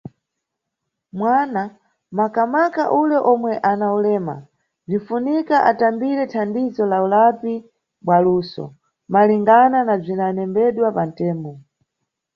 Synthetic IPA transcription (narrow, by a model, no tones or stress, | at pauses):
mwana | makamaka̰ʔulɛʔɔmwɛʔanaulɛːma̰ | b͡ʐifunikaʔa̰tambiɾɛtʰandizɔlaulapi | ɓwaluːsɔ̰ | maliŋɡananab͡ʐinanɛmbɛɗwapan̩tɛːmbɔ